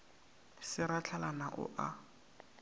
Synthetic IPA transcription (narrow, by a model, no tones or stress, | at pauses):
sɪɾat͡ɬʰalanaʔʊ̰ʔa